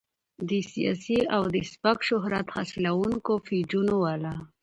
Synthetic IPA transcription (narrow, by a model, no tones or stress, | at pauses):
d̪əsija̰siawd̪əspakʃʊɦɾat̪hasilawuŋkofid͡ʒunowala